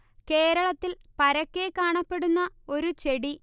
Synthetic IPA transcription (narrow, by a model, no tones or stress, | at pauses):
ke̞ːɾɐɭɐt̪ːilpɐɾɐkːe̞kaːɳɐpːe̞ɽunːɐo̞ɾut͡ɕe̞ɽi